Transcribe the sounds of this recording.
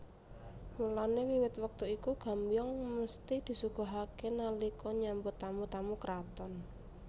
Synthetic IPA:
mulanewiwɪt̪wək̚t̪uikuɡ̥a̤mbjɔŋməst̪id̪̥i̤suɡ̥a̤ɦakenalikɔɲambut̪amut̪amukɾat̪ɔn

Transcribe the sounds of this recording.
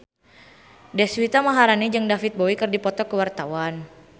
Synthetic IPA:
dɛswit̪amaɦaɾanid͡ʒɨŋdafit̪̚bɔwikɨrdipɔt̪ɔkəwart̪awan

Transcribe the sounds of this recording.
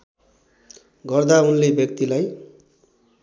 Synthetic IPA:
ɡʌrd̪aunlebjʌk̚t̪ilaj

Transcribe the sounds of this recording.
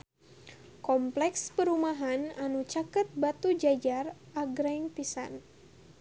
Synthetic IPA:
kɔmplɛkspəɾumaɦananut͡ʃakət̪̚bat̪ud͡ʒad͡ʒarʔaɡɾaŋpisan

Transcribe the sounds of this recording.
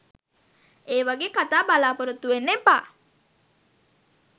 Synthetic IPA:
eːʋaɡeːkat̪aːbalaːpoɾot̪ːuʋenːepa̰ː

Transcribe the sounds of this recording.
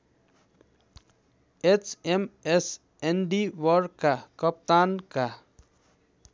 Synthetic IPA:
et͡ʃemes | enɖiʋəɾkakəp̚t̪aːnka

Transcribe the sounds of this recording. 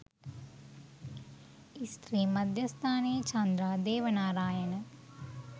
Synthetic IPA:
ist̪ɾiːmɐd̪ʱjɐst̪ʰaːneːt͡ʃɐnd̪ɾaːd̪eːʋɐnaːɾaːjɐnɐ

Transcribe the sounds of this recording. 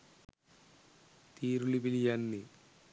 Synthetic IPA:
t̪iːɾuɭipilijanːi

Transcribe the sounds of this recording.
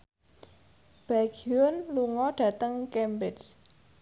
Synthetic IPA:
b̥aɡiʊnluŋɔɖ̥ä̤t̪əŋkɛmbɪts

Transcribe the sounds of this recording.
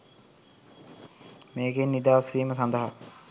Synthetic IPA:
meːɡenːid̪aːsʋiːməsand̪əɦa

